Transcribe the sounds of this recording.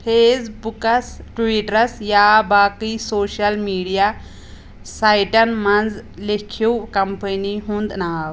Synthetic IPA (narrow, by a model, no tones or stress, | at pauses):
pʰeːsbukɐsʈʋiʈɾɐsjaːbaːkisoːʃɐlmiːɖija | saːjʈɐnmɐ̃nd͡zlekʰiwkɐmpəniɦũnd̪naːw